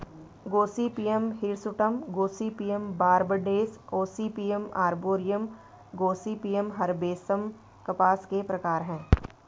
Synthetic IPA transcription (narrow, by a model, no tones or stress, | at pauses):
ɡoːsipiːjəmɦɪɾsʊʈəmɡoːsipiːembaːɾbəɖeːsoːsipijəmaːɾboːɾɪjəm | ɡoːsipiːjəmɦɐɾbeːsəm | kɐpaːskepɾɐkaːɾɦɛ̃ː